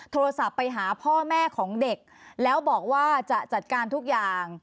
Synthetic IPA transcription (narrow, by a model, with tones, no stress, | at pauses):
t̪ʰoː˧ɾa˧sa˨˩pːa˧jɦaː˩˦pʰɔː˥˩mɛː˥˩kʰɔː˩˦ŋde˨˩k̚lɛː˦˥wbɔː˨˩k̚waː˥˩t͡ɕa˨˩t͡ɕa˨˩t̪̚kaː˧nt̪ʰu˦˥k̚jaː˨˩ŋ